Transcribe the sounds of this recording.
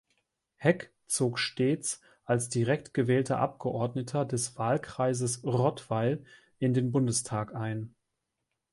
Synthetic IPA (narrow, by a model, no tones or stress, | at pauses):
hɛk | t͡soːkʃteːt͡s | ʔalsd̥iʁɛk̚tɡ̥əvɛːltʰɐʔa̰p̚ɡ̥əʔɔɐdnətʰɐdɛsv̥aːlkʁ̥aɪzəsʁɔtv̥aɪl | ʔɪndeːnbʊndəstʰaːkʔaɪn